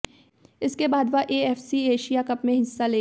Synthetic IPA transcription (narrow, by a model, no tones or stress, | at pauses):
ɪskebaːd̪ʋaʔeːɛːfsieːʃijakɐpmẽɦɪsːaleː